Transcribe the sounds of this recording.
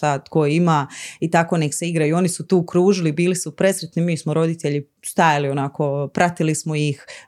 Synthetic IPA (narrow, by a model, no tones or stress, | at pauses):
aːt̪kojimaːit̪ako̞nekseiɡɾajuo̞nisut̪uːkɾuːʒilibiːlisupɾe̞sɾet̪nimiːsmoɾo̞d̪it̪eʎi | st̪ajalionako̞pɾʔat̪ilismojix